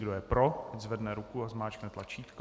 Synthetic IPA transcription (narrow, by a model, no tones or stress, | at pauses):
ɡdo̞jɛpɾoɛzvɛdnɛɾukuazmaːt͡ʃknɛt̪lat͡ʃiːt̪k